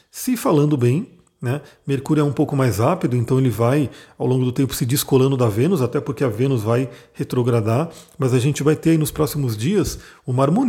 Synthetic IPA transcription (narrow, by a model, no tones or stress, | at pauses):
sɪfalɐ̃nd̪ʊbẽj̃ | nɛmeɾkuɾjʊɛũpowkʊmajzhapid̪ʊẽnt̪ɐ̃w̃elɪvajawlõɡʊd̪ʊt̪ẽmpʊ̥sɪd͡ʒiskolɐ̃nd̪ʊd̪ɐvẽnʊzat̪ɛpoɾkeɐvẽnʊzvajhet̪ɾoɡɾad̪aɾmɐzɐʒẽnt͡ʃɪvajt̪eɾainʊspɾɔsimʊzd͡ʒiɐsʊmaɾmõn